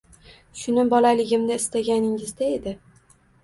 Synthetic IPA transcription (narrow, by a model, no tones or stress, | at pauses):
ʃʊnɪbɒlalɪɡʲɪmnɪɪst̪aɡʲanɪŋɪzd̪ae̞d̪ɪ